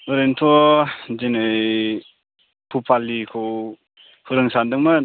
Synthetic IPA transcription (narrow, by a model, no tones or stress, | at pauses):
ɯɾentʰɔd͡ʒenɯj | pʰupʰalːikʰɯw | huɾɯŋsandɯŋma